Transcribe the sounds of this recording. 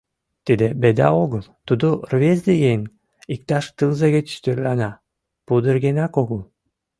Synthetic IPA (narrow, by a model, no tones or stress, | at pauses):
t̪id̪ebed̪ɑ̰oɣəlˠt̪ud̪urvʲezd̪ejeŋʲ | ik̚t̪ɑʃt̪ɨlˠzeɣʲĕt͡ɕt̪øɾlɑnɑ | pud̪ərɡenɑkoɣəlˠ